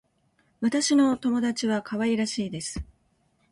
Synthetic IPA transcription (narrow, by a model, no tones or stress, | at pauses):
βat̪aɕino̞t̪o̞mo̞d̪at͡ɕiβakʰaβaiɾaɕiːd̪e̞sɨ̥